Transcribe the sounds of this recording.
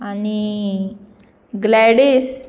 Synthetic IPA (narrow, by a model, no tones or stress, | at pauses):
ani | ɡlɛɽes